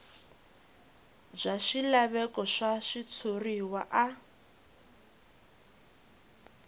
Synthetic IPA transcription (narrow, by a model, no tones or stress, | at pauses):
b͡ʐʷaʃilaβɛkʼɔʃaʃit͡sʰuriwaʔa